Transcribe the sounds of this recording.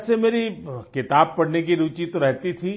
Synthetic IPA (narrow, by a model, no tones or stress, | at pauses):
semeːɾikɪt̪aːb̚pɐɽnek̬iɾuːt͡ʃit̪oɾɛɦt̪it̪ʰiː